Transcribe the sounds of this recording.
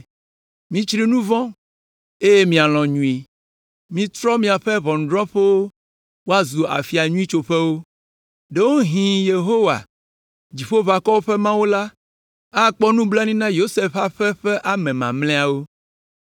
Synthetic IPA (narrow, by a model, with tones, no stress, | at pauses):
mĩ˦t͡ʃɾi˦nũ˦vɔ̃˦ | e˦je˦mĩ˨a˨l̃ɔ̃˨ɲũ˨i˨ | mĩ˨t̪ɾɔ˦mĩ˨a˨ɸɛ˦βɔ̃˨ñ˨ɖɾɔ̃˦ɸe˦wo˦ | wo˦a˦zu˨a̰˨fi˨a˨ɲũ˦i˦t͡ʃo˨ɸɛ˦wo˦ | ɖe˦wo˦ɦĩ˨je˨ɦo˦wa̰˨ | d͡ʑi˨ɸo˦va˨kɔ˦wo˦ɸɛ˦mã˦wo˦la˦ | a˦˨k͡pɔ˦nũ˦bla˦nĩ˦nã˦jo˦se˦fa˦˨ɸɛ˦ɸɛ˦ʔa˨mɛ̃˨mã̰˨mlɛ̃˦a˨wo˦